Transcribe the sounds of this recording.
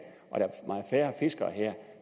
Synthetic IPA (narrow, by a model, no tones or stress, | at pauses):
ʔɒ̽dɾæmɑ̈ːð̩ˠfæːɐfe̝sɡ̥ɐɦɛɐ̰